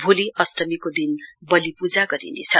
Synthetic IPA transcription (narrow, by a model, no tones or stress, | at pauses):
bʱoliʔʌsʈʌmikod̪inbʌlipud͡zaɡʌɾḭnḛt͡sʰʌ